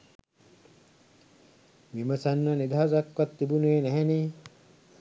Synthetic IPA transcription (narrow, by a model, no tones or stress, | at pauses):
ʋiməsanːənid̪ʱaːsakʋat̪ːibuneːnæɦɛniː